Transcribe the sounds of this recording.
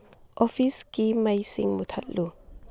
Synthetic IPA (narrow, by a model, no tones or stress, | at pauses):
ʔɔfiskimajsḭŋmut̪ʰatlu